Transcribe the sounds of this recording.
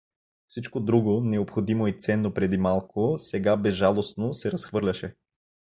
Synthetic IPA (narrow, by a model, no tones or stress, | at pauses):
fsit͡ʃkod̪ɾuɡonɛopxod̪imoit̪sɛnːopɾɛd̪imalˠkosɛɡabɛzʒalˠosnosɛɾɐsxvɤɾlʲɐʃɛ